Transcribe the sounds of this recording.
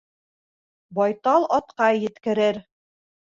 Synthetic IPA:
bɑjt̪ɑlˠɑt̪qɑjɘ̆t̪kɘ̆ɾɘɾ

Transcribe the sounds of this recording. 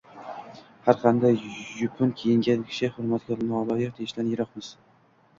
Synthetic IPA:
haɾqʰɑnd̪ajjʊkʰʊnkʲʰejɪŋɡʲad̪kʲʰɪ̥ʃʰɪhʊɾmat̪̚ɡʲɒɾnɪɒlˠɒjɪq̚t̪ʰeɪʃd̪anjeɾɒqmɪz̥

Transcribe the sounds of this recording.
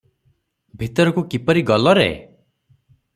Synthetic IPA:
bʱit̪ɔɾɔkukipɔɾiɡɔlɔɾḛ

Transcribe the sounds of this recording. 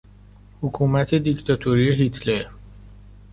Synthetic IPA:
hukʰuːmæt̪ʰe̞d̪ikt̪ʰɒt̪ʰoɾieɦit̪ʰleɾ

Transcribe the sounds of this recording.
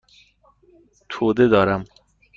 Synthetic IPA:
t̪ʰoːd̪ed̪ɒːɾæm

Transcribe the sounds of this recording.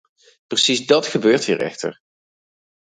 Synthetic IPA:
prəsizdɑtχəbøːɹthɦiːɹɛ̰χtə̰ɹ

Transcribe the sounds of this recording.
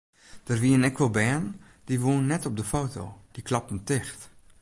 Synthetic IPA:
d̥ərʋiənɛkʋəlˠbɛːn | d̥iʋoːnːɛtɔb̚dəfowto̰d̥iklɑpən̩tɪxt

